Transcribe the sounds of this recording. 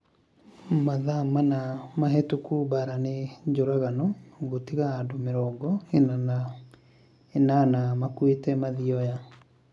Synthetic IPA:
maðamanamaɦɛtukubaɾaned͡ʑoɾaɣanɔɣotiɣaːdomeɾɔːɡɔenan | enanamakwetɛmaðiɔja

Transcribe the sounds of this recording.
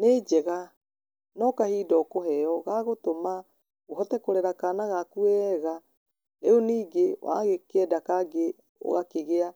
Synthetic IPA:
ned͡ʑɛɣa | nɔkahiːdɔkoɦɛɔɣaɣotoma | ɣoɦɔtɛkoɾɛɾakanaɣakuɛɣa | eoniːɡewa̰ɣekɛdakaɡe | o̰ɣakeɣea

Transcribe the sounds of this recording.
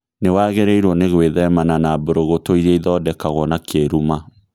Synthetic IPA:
newaɣeɾɛiɾwɔneɣweðɛmananaboɾoɣotoiɾɛiðɔdɛkaɣwɔnakʰeɾuma

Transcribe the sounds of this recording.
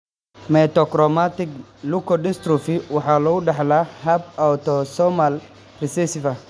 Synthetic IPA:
mɛt̪ɔkɾɔmat̪ɪklukʰɔdɪst̪ɾufiwɑħɑːlɔɣʊɖɑħlaːhɐbawt̪ɔsɔmal | rɪsɛsɪfɐ

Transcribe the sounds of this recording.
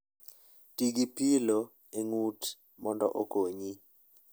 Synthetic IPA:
tiɡipilo | eŋut | mɔndɔ̰ʔokoɲi

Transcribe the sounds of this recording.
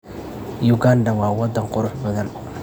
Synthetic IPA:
jʊɡand̪ɐwɑːwɑd̪ːɐŋqʊɾʊħbɐðɐn

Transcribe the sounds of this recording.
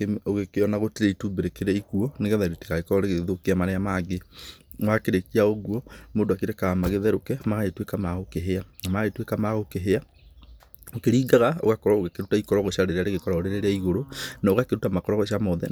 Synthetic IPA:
eoɣekeɔnaɣoteɾeituːmbeɾekeɾɛikuɔneɣɛðaɾote̥kaɣekɔɾɔɾeɣeðokeamanɛamaɡemwakeɾekiaoɣwɔmoːdoakeɾɛkaɣamaɣeðɛɾokɛmaɣaetwekamaɣokeɦeanamaɣetwekamaɣokeɦea | okeɾiːɡaɣao̰ɣakɔɾwaoɣakeɾutaikɔɾɔɣɔʃaɾeɾeaɾeɣekɔɾaoɾeɾeɾeaiɣoɾonaoɣakeɾutamakɔɾɔɣɔʃiamɔðɛ̰

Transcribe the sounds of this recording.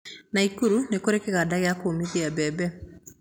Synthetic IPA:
naikuɾunekoɾekɛɣadaɣeakomiðiabɛbɛ

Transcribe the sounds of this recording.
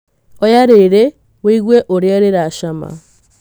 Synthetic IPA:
ɔjaɾeɾe | weiɣweʔoɾjaɾeɾaʃama̰

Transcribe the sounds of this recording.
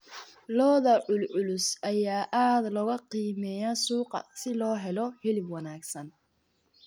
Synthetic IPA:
lɔːðɐʕʊlʕʊlʊsʔɐjaːʔaːd̪lɔɣɐqiːmɛːjaːsuːqɑ̰sɪlɔːɦɛlɔħɪlɪbwɑnaːɡsɐn

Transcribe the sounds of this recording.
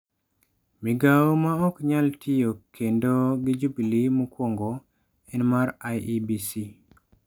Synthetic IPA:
miɡaomaɔkɲaltʰijokʰːendoɡɪd͡ʒubilimukwoŋɡo | ɛnmaɾajibisi

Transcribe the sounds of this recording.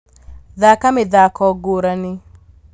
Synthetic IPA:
ðakamɪðakɔɡoɾanɪ

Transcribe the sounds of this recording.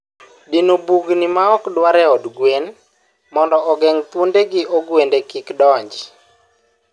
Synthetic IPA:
dinobuɡnimaɔkdwaɾɛɔdɡwen | mɔndɔɔɡɛŋt̪undeɡɪʔɔɡwendekɪkdɔɲd͡ʒ

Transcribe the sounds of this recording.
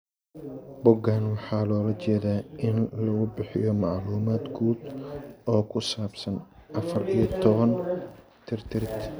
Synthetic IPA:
bʊɡaːnwɑħɑːlɔːlɐt͡ʃɛːðaːʔɪnlɐɣʊbɪħɪ̰jɔmɑʕluːmaːd̪ɡʰuːd̪ɔːkʰʊsaːbsɐnʔɐfɐrijɐt̪ʰɔβɐn | t̪ʰɪrt̪ʰɪɾɪt̪

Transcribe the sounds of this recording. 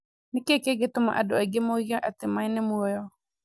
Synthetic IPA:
nɪkekeɡɪtʊma̰ʔadʊɛɡɪmoiɣaʔatɪmainɪmuɔjɔ

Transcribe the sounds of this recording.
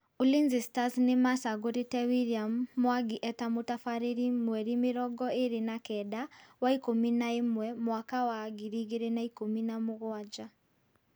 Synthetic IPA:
ulinzistaznemasaɡoɾitɛwiliamːwaɡiʔɛtamutafaɾiɾimwɛɾimiɾɔɡɔeɾinakɛdawaikuminaemwɛmwakawaɡiɾiɣiɾenaikuminamuɣwad͡ʒa

